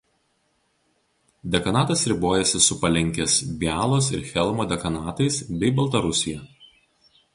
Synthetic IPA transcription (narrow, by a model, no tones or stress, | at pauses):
d̪ʲɛkɐnɑːt̪ɐsɾʲɪboːjɛsʲɪsʊpɐlʲɛŋʲkʲeːsbʲæːlˠoːsɪɾxʲɛlˠmoːd̪ʲɛkɐnɑːt̪ɐɪsbʲɛɪbɐlˠt̪ɐɾʊsʲɪjɛˑ